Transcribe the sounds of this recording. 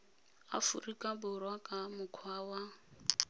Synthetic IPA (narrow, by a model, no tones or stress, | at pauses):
a̰furikʼabʊrwakʼamʊkʰwaːwa